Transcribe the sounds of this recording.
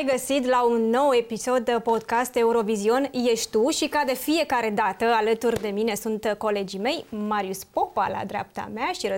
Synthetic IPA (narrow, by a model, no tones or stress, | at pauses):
jɡəsit̪̬launːo̞we̞piso̞d̪po̞d̪kast̪e̞uɾo̞vizio̞nje̞ʃt̪uʃikad̪e̞fije̞kaɾe̞d̪at̪əalət̪urʲd̪e̞mine̞sunt̪ko̞le̞d͡ʒime̞jmaɾiuspo̞pa̰la̰d̪ɾea̰p̚t̪a̰meaʃiɾə